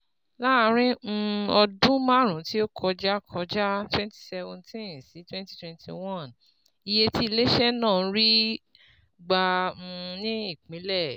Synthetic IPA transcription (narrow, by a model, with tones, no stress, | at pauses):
la˦˧˦ɾ̃ĩ˦˧ɔ˧dũ˦mã˦ɾ̃ũ˨˦ti˦o˦kʰɔ˧d͡ʒa˦kʰɔ˧˦d͡ʒa˦twɛ̃˦nti̥˦sɛ˧vɔ̃˧ntĩ˦nsi˨˦twɛ̃˦nti̥˦twɛ̃˧˦ntʰḭ˧wɔ̃˦˨n | i˧je˧ti˦i˧le˦ʃɛ˦nãː˦˨˦ɾi˦ | ɡ͡ba˧ũ˧nĩ˦i˦˨k͡pĩ˨˦lɛ˦˨